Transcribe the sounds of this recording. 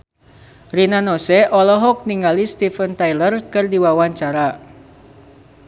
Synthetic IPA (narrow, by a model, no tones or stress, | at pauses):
rinanɔsɛʔɔlɔɦɔk̚niŋalist̪ifənt̪ajlərkɨrdiwawaɲt͡ʃaɾa